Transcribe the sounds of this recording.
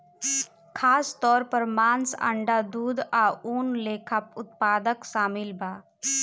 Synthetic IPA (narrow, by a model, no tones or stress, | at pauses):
kʰaːst̪ɔːɾpəɾmaːnsa̰ɳɖad̪uːd̪aːuːnleːkʰəpʊt̪paːd̪əkʃaːmɪlbʱaː